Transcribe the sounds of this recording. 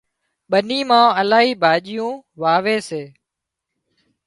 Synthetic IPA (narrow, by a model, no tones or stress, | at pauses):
ɓəniːmãːəlaːɦiːbʱaːʄɪjũːʋaːʋeːseː